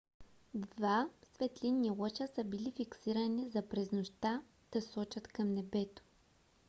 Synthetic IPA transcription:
d̪vasvɛt̪liniwɤt͡ʃəsəbilifiksiɾənizɐpɾɛznoʃt̪a | d̪̥ɐsɔt͡ʃɐt̪kɐmnɛbɛt̪o̥

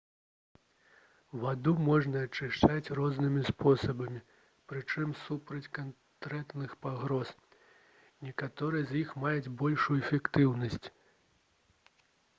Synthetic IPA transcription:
vad̪umɔʐnɐːt͡ʂɨʂt͡ʂat͡sʲrɔznɨmʲispɔsɐbɐmʲi | pɾɨt͡ʂɨmsupɾɐt͡sʲkan | t̪ɾɛt̪nɨxpaɣɾɔs | nʲɛkat̪ɔɾɨjɐzʲjixmajud͡zʲbɔlʲʂujuɛfʲɛkt̪ɨwnɐsʲt͡sʲ

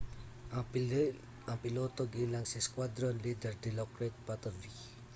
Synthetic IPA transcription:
apilot̪oɡilaŋsiskwad̪ɾɔnlidərd̪ilɔkɾɛt̪̚pat̪ərvi

